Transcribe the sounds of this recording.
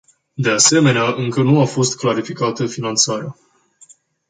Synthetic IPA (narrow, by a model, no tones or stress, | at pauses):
d̪e̞ase̞me̞neaʔɨŋkənuafo̞st̪klaɾifikat̪əfinant̪saɾea